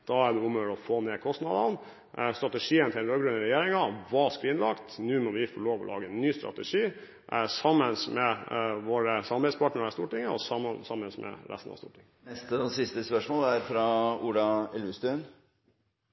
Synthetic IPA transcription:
d̪̥ɑːæɖɛuːmœɖɔfoːneːkʰɔst̪nɑd̪ɑn | st̪ɾɑt̪əʂiːənt̪ʰɪɾoːɡɾʉnəɾɛjeːɾɪŋɑʋɑskʋɪnlɑkt̪nʉːmɔʋɪfɔɭoːʋɔ̰lɑ̰ːɡəɛnːyːst̪ɾɑ̰t̪ɛʂiː | ʔsɑmːənsmɛʋoːɾəsɑmɑbɛspʰɑʈɳəɾəst̪uːʈɪŋːəɔ̰sɑmənsɑmːənsmɛ̰ɾʔæ̰st̪n̩ɑ̰st̪ṵːʈʰɪŋːənɛst̪əɔsɪst̪əspœʂmoːlæɾfɾɑuːɖɑɛlʉst̪ʉn

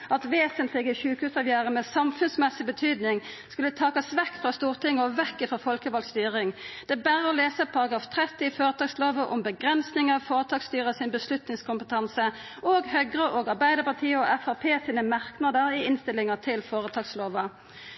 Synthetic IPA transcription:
ɑt̪ʋeːsənt̪ʰlɪɡəçʉːkʉsɑːʋjæːʁəmɛːsɑmfʉnsmɛsɪbət̪ʰyːd̪nɪŋ | skʉlːət̪ʰɑːkɑsʋɛkːfʁɑst̪uːʁt̪ʰɪŋːɔʋɛkːɪfʁɔfɔlkəʋɑlɡst̪yːʁɪŋd̪̥ɛbæːʁəɔleːsəpʰɑʁɑɡɑːft̪ʰʁɛt̪ːɪɪføːʁət̪ʰɑːɡsloːʋəʔɔmbəɡʁɛnsnɪŋəfoːʁət̪ʰɑːɡst̪yːʁəsɪnbəslʉt̪nɪŋskʰʊmpət̪ʰɑnsə | ʔoːɡhœɡʁəʔoːɡɑʁbæɪd̪əpɑʁt̪ʰiːɔʔɛfæʁpʰeːsiːnəmɑʁknɑd̪əɾɪɪnst̪ɪlːɪŋət̪ʰɪlfoːʁət̪ʰɑːɡsloːʋə

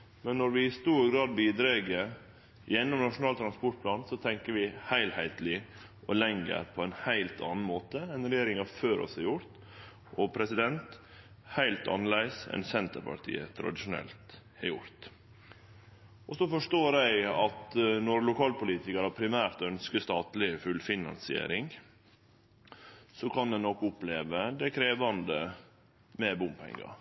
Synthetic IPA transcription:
mɛnːɔɾʋɪɪst̪uːɾɡɾɑːd̪̚biːd̪ɾeːɡəɾ | jɛnːɔmnɑʂʊnɑːlt̪ʰɾɑnspɔʈ̚pʰlɑːnsɔt̪ʰɛŋkəɾʋɪhæɪlhæɪt̪lɪ | ʔɔlɛŋɡə̰ɾpʰɔɛnhæɪlt̪ʰɑ̰ːnn̩moːt̪əɛnɾɛjeːɾɪŋhɑføːɾɔ̰shɑɾjʊɾt̪ | ʔɔpʰɾɛsɪd̪ɛnt̪ | hæɪlt̪ʰɑ̰nːəlæɪsɛ̰nsɛnt̪əɾpʰɑ̰ʈʰḭːə̰t̪ʰɾɑ̰d̪ɪʂʊnɛ̰lt̪ | ɛɾjʊɾt̪ | ʔɔsɔfɔʂtoːɾæɪɑt̪nɔɾlʊkʰɑːlpʊliːt̪ɪkɑɾhɑpʰɾɪmæːɾt̪œnskəst̪ɑːt̪lɪfʉlfɪnɑ̰nsɪḛːɾɪŋ | sɔkʰɑnd̪ɛnnɔkːʊpleːʋəd̪æɪkʰɾeːʋɑnd̪ə | mɛbʊmpʰɛ̰ŋːɑ̰ɾ

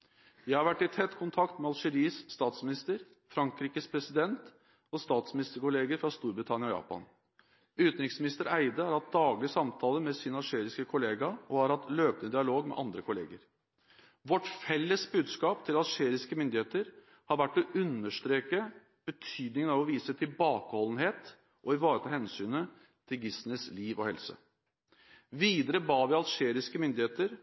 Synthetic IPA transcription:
jæɪhɑɾʋæʈːɪt̪ʰɛt̪ːkʰʊnt̪ʰɑkt̪mɛɑlʂɛɾiːsːt̪ɑːt̪smɪnɪst̪əɾ | fɾɑŋkɾiːkəspʰɾɛsɪd̪ɛnt̪ | ɔst̪ɑːt̪smɪnɪst̪əɾkʊleːɡəɾfɾɑst̪uːɾbɾɪt̪ʰɑnjɑɔjɑ̰ːpɑ̰n | ʉt̪nɾɪŋsmɪnɪst̪əɾæɪd̪əhɑɾhɑt̪̚d̪ɑːɡlɪsɑmt̪ʰɑːləmɛsiːnəɑlʂeːɾɪskəkʰʊleːɡɑɔhɑɾhɑt̪løːp̚nəd̪ɪɑloːɡmɛ̰ʔɑnd̪ɾəkʰʊlḛːɡəɾ | ʋɔʈfɛlːəsbʉːd̪skɑːpt̪ʰɪlɑlʂeːɾɪskəmʏnd̪ɪheːt̪əɾ | hɑɾʋæʈːɔʉnːəʂt̪ɾeːkə | b̥ət̪ʰyːd̪nɪŋənɑʋɔʋiːsət̪ʰɪlbɑːkəhɔln̩heːt̪ | ʔɔɪʋɑːɾət̪ʰɑːhɛnsyːnə | t̪ʰɪlɡɪsnəsliːʋɔhɛlsə̰ | ʋiːd̪əɾəbɑːʋɪɑlʂeːɾɪskəmʏnd̪ɪheːt̪əɾ

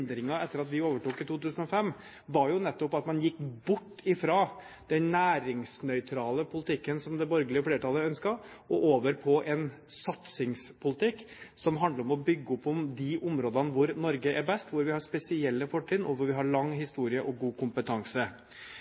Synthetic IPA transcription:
d̪ɾɪŋɑɛt̪ːəɾɑt̪ʋɪoːʋəʈuːkɪt̪uːt̪ʉːsən̩ɔfɛmː | ʋɑɾjʊnɛt̪ːɔpɑt̪mɑnjɪkːbʊʈːɪfɾɑː | d̪̥ɛnnæːɾɪŋsnœʏt̪ʰɾɑːləpʰʊlɪt̪ʰɪkːənsɔmd̪ɛbɔɾɡəlɪəɔfleːɾəʈʰɑləœnskɑ | ɔʔoːʋəɾpʰɔʔɛnsɑt̪sɪŋspʰʊlɪt̪ɪkː | sɔmɦɑnd̪ləɾɔmɔbʏɡːəɔpːɔmd̪ɪʔʊmɾoːd̪ənəʋʊɾnɔɾɡəʔɛɾbɛst̪ʋʊɾʋɪhɑɾspɛsɪɛlːəfɔʈʰːɪːnɔʋʊɾʋɪɦɑɾɭɑŋɦɪst̪uːɾɪəʔɔɡuːkʊmpət̪ʰɑŋsə

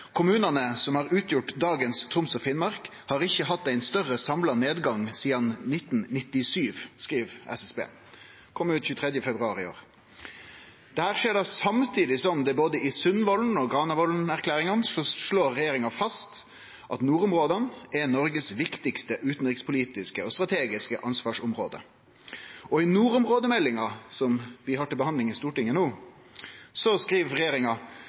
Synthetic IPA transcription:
kʰʊmʉːnɑnəsɔmhɑːʁʉːt̪jʊʈd̪ɑːɡənst̪ʰʁʊmsɔfɪnmɑʁk | hɑːʁɪçːəɦɑt̪ːæɪnst̪œʁəsɑmlɑneːd̪ɡɑŋsiːɑnnɪt̪ːnnɪt̪ːɪsyːʋskʁiːʋɛ̰sɛsbḛː | kʰɔmːʉːt̪çʉːt̪ʰʁɛd̪jəfɛbʁʉɑːɾɪo̰ːʁ | d̪̥ɛhæːʁʂeːɖ̪ɑsɑmt̪ʰiːd̪ɪsɔmd̪ɛboːd̪əɪsʉnʋɔln̩ɔɡʁɑːnəʋɔlnæʁkʰlæːɾɪŋɑnsɔʂɭoːɾʁɛjeːɾɪŋɑfɑst̪ | ʔɑt̪nuːɾʊmʁoːd̪ənɛnɔɾɡəsʋɪkt̪ɪkst̪əʔʉːt̪n̩ʁɪkspʰʊliːt̪ɪskəɔst̪ɾʁɑt̪ʰeːɡɪskə̰ʔɑnsʋɑːʂʊmʁoːd̪ə̰ | ɔɪnuːɾʊmʁoːd̪əmɛlːɪŋɑsɔmʋɪhɑʈɪlbəhɑnd̪lɪŋɪst̪uːʈɪŋːənuː | sɔskɾiːʋɾɛjeːɾɪŋɑ

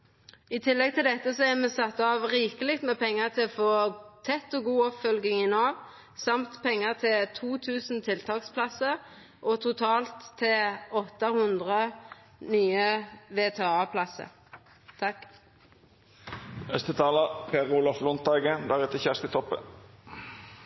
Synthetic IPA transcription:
ɪt̪ʰɪlːɛɡt̪ʰɪld̪ɛt̪ːəsɔæʁmɛsɑt̪ːɑʋʁiːkəlɪkt̪mɛpʰɛŋːəʁt̪ʰɪlɔfoːt̪ʰɛt̪ːɔɡuːɔpfœlɡɪŋɪnɑːʋ | sɑmt̪pʰɛŋːəʁt̪ʰɪlt̪ʰuːt̪ʰʉːsn̩t̪ʰɪlt̪ʰɑːkspʰlɑsəɾ | ʔɔt̪ʰʊt̪ʰɑːlt̪ʰːɪlɔt̪ːəhʉnd̪ʁə | nyːəʋeːt̪ʰeːɑːpʰlɑsə̰ɾ | t̪ʰɑk | œst̪ət̪ʰɑːləpʰeːʁuːlɑflʊnt̪̚ɑːɡənd̪æʁɛt̪ʰəçæʁst̪ət̪ʰɔpːə̰

